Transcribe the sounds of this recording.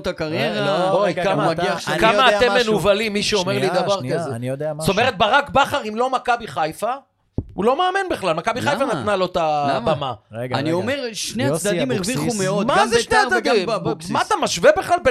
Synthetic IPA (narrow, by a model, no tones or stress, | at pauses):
t̪akaʁjeʁaokamaaɡiaʃkamaːt̪emmenuvalimːiʃeo̞meʁlid̪aʁvaʁkazend̪so̞me̞ʁet̪̚baʁakbaχaʁimlo̞makabiχajfa | ulo̞meːminbeχlalmakabiχajfanat̪nalot̪abamaaniomeʁʃneat͡sd̪ad̪imeʁviχumeodmazeʃneat͡sad̪immaat̪amaʃvebeχlalbe